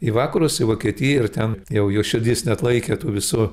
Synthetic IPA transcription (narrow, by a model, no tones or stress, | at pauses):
iʋɑːkɐɾʊsɪʋoːkʲiɛt̪ʲɪjɛɪrt̪ʲɛnjɛʊjoːʃʲɪd̪ʲisnʲɛt̪lˠɐɪkʲeːt̪uːʋʲɪsʊ